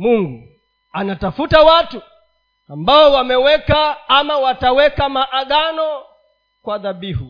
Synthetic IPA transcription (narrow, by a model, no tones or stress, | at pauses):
muŋɡu | anatafutawatu | ambaɔwamɛwɛkaːmawatawɛkamaʔaɠanɔ | kwaðaɓihu